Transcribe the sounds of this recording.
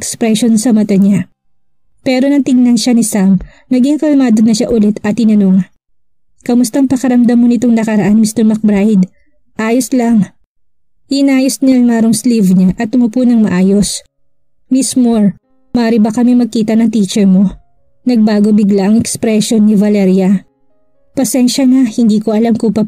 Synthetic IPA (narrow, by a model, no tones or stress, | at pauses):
kspɾɛʃonsɐmɐt̪ɐɲa | pɛːɾo̞nɐŋt̪ɪŋnɐnʃanisam | nɐɡiŋkɐlɐmaːd̪onːɐʃaʔʊlɛt̪ɐt̪hɪnɐno̞ŋ | kɐmʊst̪ɐŋpɐkɐɾɐmd̪ɐmːo̞nɪt̪oŋnɐkɐɾɐʔanmist̪ɛɹmɐk̚bɾajd̪ | ʔaːjoslɐŋ | ʔnaːjosnɪaŋmaːɾoŋslivɲaʔɐt̪mopunɐŋmɐʔaːjo̞s | mɪsmoɹ | mɐaːɾibɐkɐmimɐɡ̚kiːt̪ɐnɐŋt̪iːt͡ʃɛɹmo̞ | nɐɡ̚baːɡobɪɡlaʔɐŋɛkspɾɛʃo̞nːivɐlɛɾjɐ | pɐsɛnʃɐnahɪnd̪iːko̞ʔɐlamkopɐ